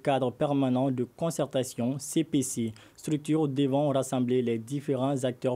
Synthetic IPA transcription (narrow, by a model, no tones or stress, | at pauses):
kad̪ʁəpɛʁmanɑ̃d̪əkɔ̃sɛʁt̪asjɔ̃sepese | st̪χyk̚t̪yːʁd̪əvɑ̃ʁasɑ̃blelɛd̪ifeʁɑ̃zak̚t̪œʁ